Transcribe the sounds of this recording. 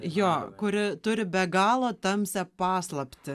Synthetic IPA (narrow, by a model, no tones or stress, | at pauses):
joːkʊɾʲɪt̪ʊɾʲɪbʲɛɡɑːlˠoːt̪ɐmʲsʲɛpɑːslˠɐpʲt̪ʲɪ